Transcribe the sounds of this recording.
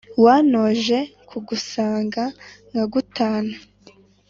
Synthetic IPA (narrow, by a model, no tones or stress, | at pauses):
waːnoːʒe̞kʰuɡusaːŋɡaŋaɡutaːna